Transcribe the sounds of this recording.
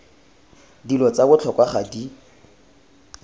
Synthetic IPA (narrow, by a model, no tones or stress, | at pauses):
dilɔt͡sabʊt͡ɬʰɔkʼwaχadi